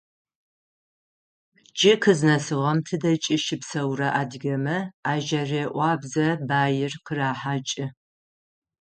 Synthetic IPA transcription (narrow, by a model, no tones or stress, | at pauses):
t͡ʃʼɪkʰɨznɐsɨʁɐmtʰɨdɐt͡ʃʼɪʃɪpsɐwrɐʔaːdɡʲɐmɐaːʒɐreːʔʷɑːbzɐbaːjɪrqəraːħaːt͡ʃʼɪ